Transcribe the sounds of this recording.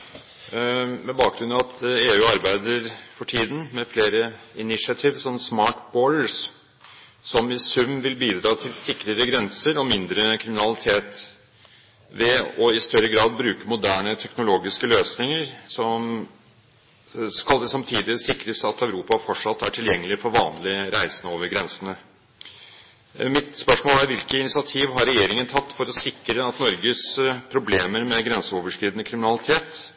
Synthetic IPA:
mɛbɑːk̚ɡɾʉnɑɑt̪ʰeːʉːɑɾbæɪd̪əɾfɔʈʰiːd̪n̩mɛfleːɾə | ɪnɪʂɑt̪ʰɪʋsɔnːsmɑːʈbɔːləs | sɔmɪsʉmːʋɪlbiːd̪ɾɑːt̪ʰɪlsɪkːɾəɾəɡɾɛnsəɾɔmɪnd̪ɾəkʰɾɪmɪnɑlɪt̪ʰeːt̪ | ʋɛɔɪst̪œɾəɡɾɑːd̪̚bɾʉːkəmʊd̪æːɳət̪ʰɛknʊloːɡɪskəløːsnɪŋəɾsɔm | skɑld̪ɛsɑmt̪ʰiːd̪ɪsɪkɾəsɑt̪œʉɾuːpɑfɔʈʂɑt̪ːæʈʰɪljɛŋːəlɪfɔɾʋɑːnlɪɾæɪsənəoːʋəɾɡɾɛnsənə | mɪt̪spœʂmoːlæɾʋɪlkəɪnɪsɪɑt̪ʰiːʋɦɑɾɛjeːɾɪŋənt̪ʰɑt̪ːfɔɾɔsɪkːɾəɑt̪nɔɾɡəspʰɾʊbleːməɾmɛɡɾɛnsəoːʋəʂkɾiːd̪ənəkʰɾɪmɪnɑlɪt̪ʰeːt̪

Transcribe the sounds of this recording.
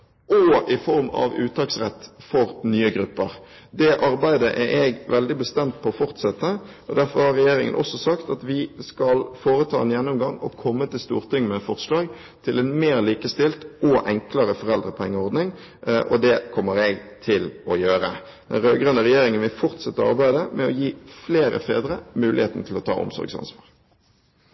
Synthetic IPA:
ʔɔɪfɔɾmɑ̰ʋʉ̰ːt̪ʰɑːksʁɛt̪ːfɔɾnyːəɡɾʉpːəʁ | d̪ɛʔɑɾbæɪd̪əʔɛɾʔɛɡʋɛld̪ɪbəst̪ɛmt̪̚pʰɔːfɔʁt̪sɛt̪ːə | ɔd̪æɾfɔʁhɑʁːɛjeːɾɪ̰ŋə̰nʔɔ̰sːɔsɑkt̪ɑt̪ʋɪskɑlfoːɾət̪ʰɑːɛnjɛnːʊmɡɑŋɔ̰kʰɔmːət̪ɪlst̪ṵːʁt̪ʰɪŋmɛfɔʁslɑːɡ | t̪ʰɪlɛnmeːʁliːkəst̪ɪlt̪ʔɔʔɛŋkləɾəfɔʁɛld̪ʁəpʰɔɛŋːəɔʁd̪nɪŋ | ʔɔ̰d̪ɛkʰɔmːəɾɛɡt̪ʰɪlɔjøːɾə | d̪̥ɛ̰nɾøːɡɾœnːəʁɛjeːɾɪŋənʋɪlfɔʁt̪sɛt̪ːəɑʁbæɪd̪əmʔɛɔjiːfleːɾə̰fḛːd̪ɾəmʉːlɪ̰heːt̪n̩t̪ʰɪlɔt̪ʰɑ̰ːʔʊ̰msɔ̰ɾɡsɑ̰nsʋɑːʁ

